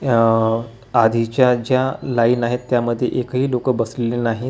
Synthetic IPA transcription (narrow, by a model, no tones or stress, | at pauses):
ad̪ʱit͡ɕjad͡ʑjalaiːnaɦet̪ːjaməd̪ʱːjeʔekɦiːlokəbəslelenaɦi